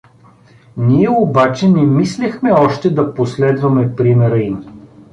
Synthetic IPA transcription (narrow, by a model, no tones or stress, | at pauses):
niɛobat͡ʃɛnɛmislʲɛxmɛɔʃt̪ɛd̪ɐposlɛd̪vɐmɛpɾimɛɾəim